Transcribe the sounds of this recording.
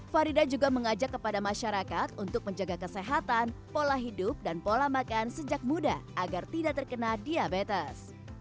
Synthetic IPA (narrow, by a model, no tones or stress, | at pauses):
faɾidad͡ʒuɡaməŋad͡ʒakːəpadamaʃaɾakat̪unt̪ʊk̚məɲd͡ʒaɡakəseɦat̪anpolaɦidʊp̚danpolahmakansəd͡ʒak̚mudaʔaɡart̪idaʔt̪ərkənadiabet̪ɛs